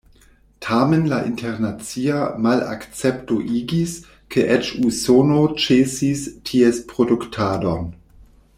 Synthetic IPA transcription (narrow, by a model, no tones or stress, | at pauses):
tʰaːmenlaʔḭntʰɛʁnat͡siːamala̰kt͡sɛptoʔiːɡis | kʰeʔɛt͡ʃusoːnot͡ʃeːsistʰiespʁoduktʰaːdon